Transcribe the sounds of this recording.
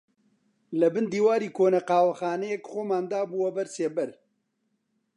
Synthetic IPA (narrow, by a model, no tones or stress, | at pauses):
lɐbɨnd̪iːwaːɾiːkʰoːnɐqɑːwɐxaːnɛjɛkxoːmaːnd̪aːbuːwɐbɐɾseːbɛɾ